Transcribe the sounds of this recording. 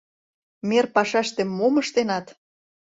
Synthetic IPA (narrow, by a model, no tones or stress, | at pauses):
merpɑʃæʃt̪emːoməʃt̪enɑt̪